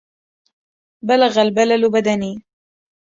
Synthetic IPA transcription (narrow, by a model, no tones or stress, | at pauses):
balaɣalbalalbad̪aniː